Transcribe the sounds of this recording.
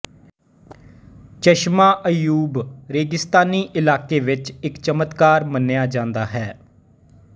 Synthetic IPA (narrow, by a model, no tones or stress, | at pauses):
t͡ʃəʃmaːʔəjuːbɾeːɡɪst̪aːniːʔɪlaːkeːʋɪt͡ʃɪkt͡ʃəmət̪kaːɾmənjaːd͡ʒãːnd̪aːɦɛː